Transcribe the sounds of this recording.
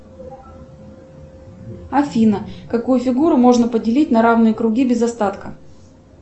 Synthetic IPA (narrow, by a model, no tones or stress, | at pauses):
ɐfʲinəkɐkujʊfʲɪɡuɾʊmo̞ʐnəpədʲɪlʲit̚ʲnɐɾavnɨjəkɾʊɡʲibʲɪzɐst̪at̪kə